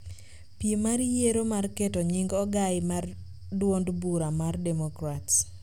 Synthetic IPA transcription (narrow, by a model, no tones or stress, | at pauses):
piemaɾjeɾomarketɔɲiŋɡɔɡaɪmar | dwondbuɾamardɛmokɾats